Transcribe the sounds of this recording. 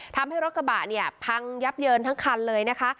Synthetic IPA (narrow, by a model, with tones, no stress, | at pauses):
t̪ʰa˧mha˥˩jɾo˦˥t̪̚kʰa˧ba̰ː˨˩tni˥˩ɐpʰa˧ŋja˦˥p̚jɤː˧nt̪ʰa˦˥ŋkʰa˧nlɤː˧jna˦˥kʰa˦˥